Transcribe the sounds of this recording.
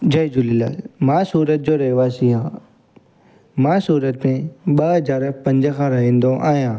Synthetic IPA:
d͡ʑɐjd͡ʑʊlɪla̰mãːsuːɾət̪̚d͡ʑoːɾɐɦʋaːsiɦãː | mãːsuːɾət̪mẽɓɐɦɦɐzaːɾpɐ̃ɲd͡ʑəkʰãːɾɐɦĩːn̆d̪oʔa̰ːɦijãː

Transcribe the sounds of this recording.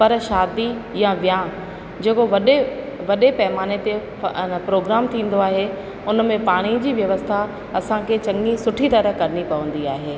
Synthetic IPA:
pɐɾʃaːd̪ijãʋjãː | d͡ʑeːkoʋɐɗe | ʋɐɗepɐɦmaːñet̪e | pɾoːɡɾaːmt̪ʰĩːn̆d̪oaːɦe | ʊnmẽpaːɽ̃id͡ʑiːʋjɐʋəst̪ʰa | ɐsãkʰet͡ɕɐ̃ŋɡisʊʈʰit̪ɐɾəkɐɾɪnipɐʋə̃nd̪iaːɦeː

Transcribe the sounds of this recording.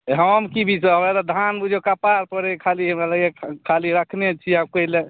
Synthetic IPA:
ɦəmkibʱisaɦəmɾalad̪ʱanbud͡ʒʱekapaɾpəɾekʰaliɦəmɾalaɡekʰaliɾəkʰnet͡ʃʰiab̚kəile

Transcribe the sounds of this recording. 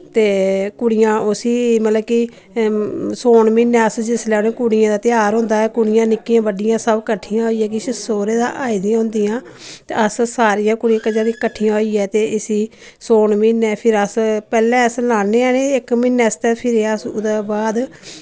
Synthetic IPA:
t̪eːkʊɽɪjãːʊsiːmət̪ləbki | soːɳmɪnɛːəsd͡ʒɪslɛːonẽːkʊɽɪjãːd̪aːt̪ɪaːɾɦʊ̃ːnd̪aːɛːkʊɽɪjãːnɪkːiːãːbəɖɪjãːsəbkəʈʰːijãːɦoːiːɛːk̬ɪsəsoːɾeːd̪ã̰ːʔaːid̪iãɦʊ̃nd̪ijãːt̪eəssaːɾijãːkʊɽijãːkəd͡ʒãːɾikəʈʰːijãːɦoːiːɛːt̪eːɪsiː | soːɳmɪnːɛːpʰɪɾəspɛːlɛ̃ːəslaːneːaːneːɪkmɪnːɛːst̪ɛːpʰɪɾəsd̪aːbaːd̪

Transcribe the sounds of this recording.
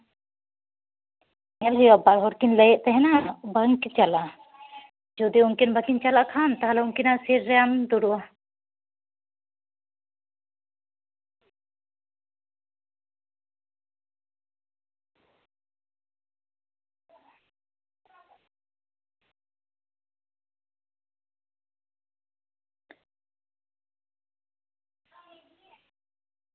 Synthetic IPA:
ɛlɦujabaɽɦɔɾkinləjɛʔt̪ɛɦɛnabaŋkit͡ʃala | d͡ʒɔd̪iunkinbakint͡ʃalaʔkʰant̪aɦalɛunkinaʔsɛɾːɛand̪ɔɽuʔa

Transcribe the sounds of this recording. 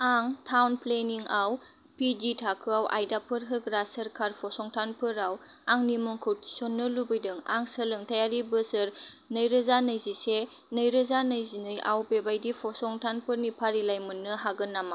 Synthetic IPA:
aŋtʰawnpleniŋaw | piditʰakʰɯawʔa̰jdapʰɯɾɦɯkɾasəɾkʰaɾpʰɔsɔŋtʰanpʰɯɾawaŋnimɔŋkʰɯɾtʰi̥sɔnːɯlubɯjdɯŋa̰ŋsəlɯŋtʰajaɾibɯsɯɾnɯjɾɯzanɯjzise | nɯjɾɯzanɯjzinɯja̰wbebajdipʰɔsɔŋtʰanpʰɯɾnipʰaɾilajmɯnːɯɦaɡɯnːama

